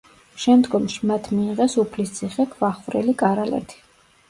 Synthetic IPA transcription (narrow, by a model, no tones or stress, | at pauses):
ʃɛmd̪ɡɔmʃimat̪ʰmiːʁɛsupʰlist̪sʰiχɛkʰvaχvɾɛlikʼaɾalɛ̰t̪ʰi̥